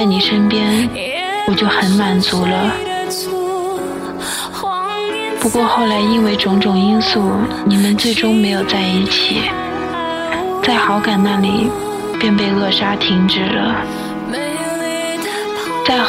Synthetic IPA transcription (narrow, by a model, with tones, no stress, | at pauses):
a˥˩ɪni˨˩ʂə˥npjɛ˥n | wɔ˨˩t͡ɕjo˥˩ʊxə˧˥nma˨˩nt͡su˧˥lə˧ | pu˧˥kwɔ˥˧xo˥˩ʊla˧˥ɪi˥nwe˥˧ɪʈ͡ʂʊ˧˥ŋʈ͡ʂʊ˨˩ŋi˥nsu˥˩ni˨˩mə˧˦nt͡swe˥˩ɪʈ͡ʂʊ˥ŋme˧˥ɪjo˨˩ʊt͡sa˥˧ɪi˥˩t͡ɕʰi˨˩˦ | t͡sa˥˩ɪxɑ˧˥ʊka˨˩nna˥˩li˨˩ | pjɛ˥˧np̬e˥˧ɪɣɤ˥˩ʂa˥t̪ʰi˧˥ŋʈ͡ʂɻ̩˨˩lə̰˦ | t͡sa˥˩ɪ